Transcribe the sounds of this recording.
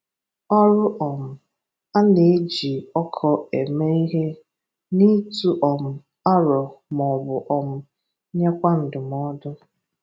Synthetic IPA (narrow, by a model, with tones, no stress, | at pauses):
ɔ˦ɾʊ˦ʔɔ˨m̩˨ | a˦ne˨˦d͡ʒi˨ɔ˦kʰɔ˨e˨me˦i˦ɦe˦ | ni˦tu˦ʔɔ˨m̩˨ | a˦ɾɔ˨m˨ɔ˨bʊ˨ʔɔ˨m̩˦˨˦ | ɲe˦kʷa˦n̩˨dʊ˨m˨ɔ˦dʊ˦